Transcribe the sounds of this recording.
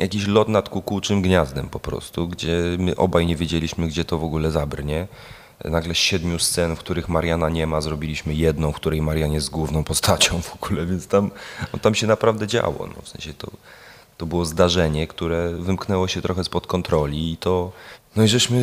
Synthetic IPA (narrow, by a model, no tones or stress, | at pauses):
jʔakʲiɕlɔt̪nat̪kukuwt͡ʂɘmɡɲazd̪ɛmpɔpɾɔ̰st̪uɡd͡ʑɛmɘʔɔbajɲɛvʲjed͡ʑelʲiɕmɘɡd͡ʑɛt̪ɔvɔɡulɛzabrɲɛ | naɡlɛɕɛd̪mʲjust̪sɛnfkt̪uɾɘxmaɾjanaɲɛmazɾɔbʲilʲiɕmɘjɛd̪nɔ̃w̃kt̪uɾɛjmaɾʲjaɲɛzɡwuvnɔ̃w̃pɔst̪at͡ɕɔ̃w̃v̥ɔɡ̥ulɛvʲjɛnt̪st̪amɔ̰t̪amɕɛnapɾavd̪ɛd͡ʑa̰wɔ̰nɔ̰fsɛ̰̃ñɕɛt̪ɔ̰ | t̪ɔbɘwɔzd̪aʐɛɲɛkt̪uɾɛvɘmknɛwɔɕɛt̪ɾɔxɛspɔt̪kɔnt̪ɾɔlʲiːt̪ɔnɔiʐɛɕmɘ